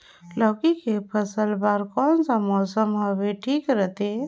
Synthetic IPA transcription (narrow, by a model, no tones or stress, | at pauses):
lɔːkikepʰəsəlbaɾkɔːnsamɔːsəmɦəʋeʈʰiːkɾət̪e